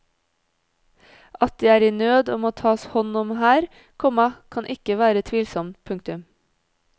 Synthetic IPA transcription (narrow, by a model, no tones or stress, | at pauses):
ʔɑt̪̚d̪iːæːɾiːnøːd̪ɔmoːt̪ʰɑːshɔnʊmhæːɾ | kʰɔmɑkʰɑnʔɪkəʋæːɾət̪ʰʋiːlsɔmpʰʉŋk̚t̪ʉm